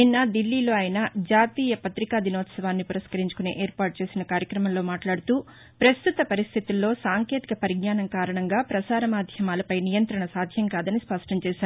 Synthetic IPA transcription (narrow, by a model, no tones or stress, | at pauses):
ninːɐd̪ilːiːlo̞ːaːjɐnɐd͡ʒaːt̪iːjɐpɐt̪ɾikaːd̪inɔːt̪sɐʋaːnːipuɾɐskɐɾiɲt͡ʃu̥kunḛːʔeːɾpaːʈ̚t͡ʃe̞ːsinɐkaːɾjɐkɾɐmɐmlo̞ːmaːʈlaːɽut̪uː | pɾɐst̪ut̪ɐpɐɾist̪ʰit̪ulːo̞ːsaːŋke̞ːt̪ikɐpɐɾiɡnaːnɐŋkaːɾɐɳɐŋɡaːpɾɐsaːɾɐmaːd̪ʱjɐmaːlɐpɐjnijɐnt̪ɾɐɳɐsaːd̪ʱjɐŋkaːd̪ɐnispɐʂʈɐɲt͡ʃɛːʃaːɾu